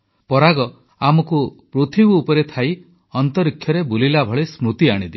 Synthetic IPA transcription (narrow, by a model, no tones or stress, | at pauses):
pɔɾaɡɔ | amɔkupɾut̪ʰibuːpɔɾet̪ʰaj | ɔnt̪ɔɾikʰjɔɾebulilabʱɔɭesmɾut̪iaɽ̃id̪i